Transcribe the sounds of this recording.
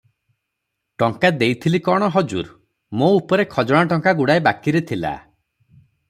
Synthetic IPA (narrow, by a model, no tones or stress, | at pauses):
ʈɔŋkad̪ejt̪ʰilikɔɽ̃ɔɦɔd͡ʒṵɾ | moupɔɾekʰɔd͡ʒɔɽ̃aʈɔŋkaɡuɽaebakiɾet̪ʰila̰